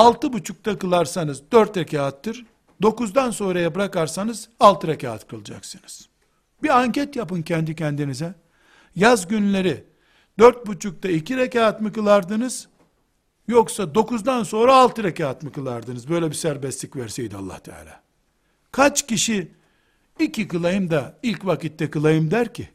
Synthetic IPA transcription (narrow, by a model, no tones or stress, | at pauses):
alˠt̪ɯbut͡ʃʰuk̚t̪ʰakɯlˠaɾsanɯzd̪øɾt̪ɾecʰaːat̪ʰːɯɾ̥ | d̪o̞kuzd̪anso̞nɾajabɾakaɾsanɯzalˠt̪ʰɯɾecʰaːt̪kʰɯlˠɯd͡ʒa̰ksɯnɯz̥ | biaɲcɛt̪japɯncʰɛnd̪icʰɛnd̪inizɛ | jazɟynlʲe̞ɾi | d̪øɾt̪̚but͡ʃʰuk̚t̪ʰaicʰiɾecaːt̪mɯkɯlˠaɾd̪ɯnɯz̥ | joksad̪o̞kuzd̪anso̞nɾaːlˠt̪ɯɾecaːt̪mɯkɯlˠaɾd̪ɯnɯzbø̞jlʲɛbisæɾbɛst̪lʲicvæɾsɛjd̪ia̰lˠːa̰ht̪ʰa̰ːlʲa̰ː | kʰat͡ʃciʃi | icʰʲikɯlˠajɯmd̪ailʲcvakit̪ːɛkɯlˠajɯmd̪æɾcʰi